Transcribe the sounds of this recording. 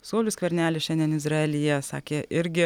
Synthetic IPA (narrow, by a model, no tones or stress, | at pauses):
soːlʲʊskʋʲɛɾʲnʲæːlʲɪʃʲɛnʲd̪ʲiɛnɪzɾɑɛlʲijɛsɑ̰ːkʲeːʔɪɾʲɡʲɪ